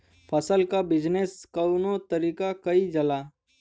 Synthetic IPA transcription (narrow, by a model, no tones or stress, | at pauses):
pʰəsəlkabɪd͡ʒneskɐʊnot̪ɐɾiːkakɐid͡ʒɐlaː